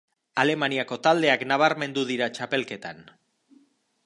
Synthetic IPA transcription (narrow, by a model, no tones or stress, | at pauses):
ale̞maniako̞t̪ald̪e̞aknaβ̞aɾme̞nd̪uðiɾat͡ʃape̞lke̞t̪a̰n